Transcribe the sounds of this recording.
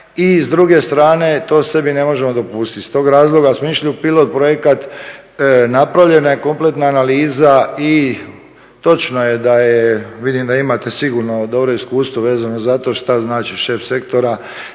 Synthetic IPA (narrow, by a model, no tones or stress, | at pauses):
izd̪ɾuɡe̞st̪ɾaːne̞t̪o̞ːse̞bine̞mo̞ʒemod̪o̞pust̪it̪st̪o̞ːɡɾaːzlˠoɡasmoiʃliupilˠo̞t̪̚pɾo̞je̞kat̪ | napɾaʋʎe̞najeko̞mple̞t̪naːnaliːzai | t̪o̞t͡ʃnoje̞d̪ajeʋid̪imd̪aimat̪e̞siɡuɾno̞d̪o̞bɾo̞iskuːst̪ʋo̞ʋe̞ːzanozat̪o̞ʃt̪aznaːt͡ʃiʃe̞fse̞kt̪o̞ɾa